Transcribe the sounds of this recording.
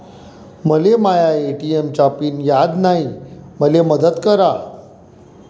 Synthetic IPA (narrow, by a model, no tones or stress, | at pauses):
məlemajaeʈiemt͡ɕapiːnjad̪naɦiməleməd̪ət̪kəɾa